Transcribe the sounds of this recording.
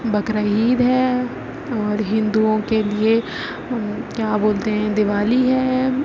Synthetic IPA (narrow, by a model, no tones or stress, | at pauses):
bɐkɾaiːd̪ɦɛ | ɔːɾɦɪ̃nd̪uõkelie | kjaːboːlt̪eɦɛ̃d̪ɪʋaːliɦɛː